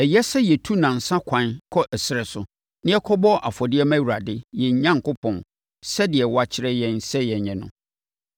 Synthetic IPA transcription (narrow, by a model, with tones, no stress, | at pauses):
ɛ˨jɛ˦sɛ˦jɛ˨tʰu˦nã˨n̩˨sã˦kʰã˨˦nkʰɔ˦ʔɛ˨sɪ˦ɾɛ˨sʊ˨ | nɪ̃˦ɛ˦kʰɔ˦bɔ˦ʔa˨fɔ˨dɪ˦ɛ˦mã˦˨wu˨ɾa˨dɪ˦jɛ˨ɲ˦ɲã˦ŋ˨kʊ˦pʰɔ̃˨n | sɛ˦dɪ˨ɛ˨wa˦t͡ɕʰɪ˦ɾɛ˦jɛ̃˦nsɛ˦jɛ˨ɲɛ̃˨nʊ̰̃˦